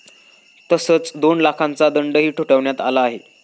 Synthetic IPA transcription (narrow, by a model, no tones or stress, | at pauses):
t̪əsət͡sd̪onlakʰãnt͡sad̪əɳɖəɦiːʈʰuʈəʋɳjat̪alaːɦe